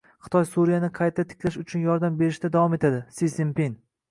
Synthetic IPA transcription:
χɨ̥t̪ʰɒjsuɾijanɪqʰɑjt̪ʰat̪ʰɪ̥kʲʰlaʃʊt͡ʃʰʊnjɒɾd̪ambe̞ɾɪʃd̪ad̪avɒme̞t̪ʰad̪ɪsisimpin

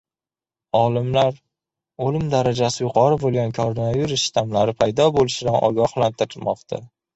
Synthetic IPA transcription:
ɒlˠɪmlaɾ | olɪmd̪aɾad͡ʒasɪjʊqʰɒɾɪbolˠɡʲankʰoɾonaviɾʊst̪amlaɾɪpʰajd̪ɒbolɪʃɪd̪anʔɒ̰ɡʲɒhlant̪ʰɪɾɪmɒqt̪ʰa̰

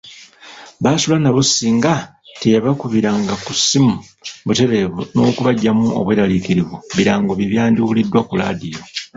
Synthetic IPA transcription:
βaːsulanaβusːiŋɡa | tejaβakuβiɾaŋɡakusːimu | βute̞ɾeβuno̞ːkuβaɟːamuo̰βweːɾalikiɾiβuβiɾaːŋɡoβiβjaːndiwulidːwakula̰ːdijo

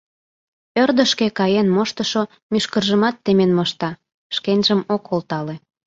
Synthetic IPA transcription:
ørd̪ə̆ʃkekɑjenmoʃt̪əʃo | myʃkərʒəmɑt̪ːemenmɤʃt̪ɑ | ʃkenʲʒəmokʰolt̪ɑle

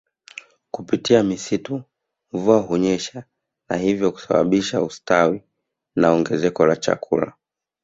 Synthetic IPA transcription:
kupitiamisitu | ɱvuaɦuɲɛʃa | na̰hivjɔku̥saɓa̰ɓiʃaustawi | naɔŋɡɛzɛkɔlat͡ʃa̰kʰṵla̰

